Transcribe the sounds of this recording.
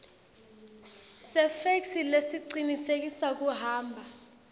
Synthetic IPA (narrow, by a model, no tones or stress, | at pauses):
sɛfeksilesiǀinisek̬ʼisak̬ʼuɦaːmbʱa